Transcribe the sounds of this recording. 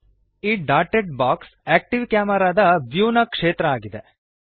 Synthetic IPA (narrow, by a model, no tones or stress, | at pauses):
iːɖaːɾʈeʈ̚baːkseːk̚ʈiʋkjaːmɐɾaːd̪ɐʋjuːnɐkʂeːt̪ɾɐaːɡid̪e